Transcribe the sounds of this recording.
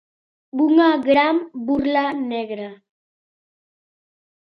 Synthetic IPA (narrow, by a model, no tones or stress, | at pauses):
buŋaɡɾambuɾlaneɣɾa